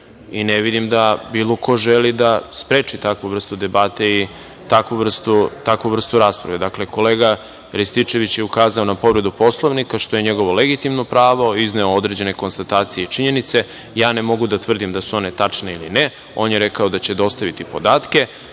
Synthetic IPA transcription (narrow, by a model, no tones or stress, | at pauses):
ineʋid̪imd̪abiːlˠokʰo̞ʒelid̪aspɾeːt͡ʂit̪akʋuʋr̩st̪ud̪e̞baːt̪ei | t̪akʋuʋr̩st̪ut̪akʋuʋr̩st̪uɾaːspɾa̰ʋe̞d̪akleko̞leːɡa | ɾist̪it͡ʃe̞ʋit͡ɕjeukaːzao̞napo̞ʋɾe̞d̪upo̞slˠoʋnikaʃt̪o̞je̞ɲe̞ɡo̞ʋo̞leɡit̪imnopɾaːʋo̞izne̞ood̪ɾe̞d͡ʑene̞ko̞nst̪at̪aːt̪sijeit͡ʃiɲe̞nit̪se̞ | jaːnemo̞ɡud̪at̪ʋr̩d̪imd̪asuo̞ne̞t̪at͡ʂneiline | o̞ːnjeɾekao̞d̪at͡ɕed̪o̞st̪aʋit̪ipo̞d̪aːt̪ke̞